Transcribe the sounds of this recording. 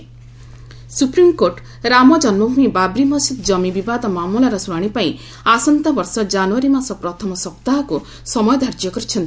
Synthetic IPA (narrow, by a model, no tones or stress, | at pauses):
supɾimkoɾʈ | ɾamɔd͡ʒɔnwɔbʱumibabɾimɔsid̪d͡ʒɔmibibad̪ɔmamulaɾɔsuɽ̃aɽ̃ipaĩ | asɔnt̪ɔbɔɾsɔd͡ʒanuaɾimasɔpɾɔt̪ʰɔmɔsɔpt̪aɦɔku | sɔmɔjɔd̪ʱaɾd͡ʒjɔkɔɾit͡ʃʰɔnt̪i